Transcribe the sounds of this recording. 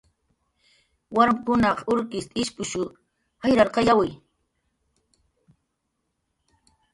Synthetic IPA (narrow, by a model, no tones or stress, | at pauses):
waɾmkʊnɑqʊɾkɪst̪ʼɪʃpʊʃʊ | hajɾaɾqɑjawɪj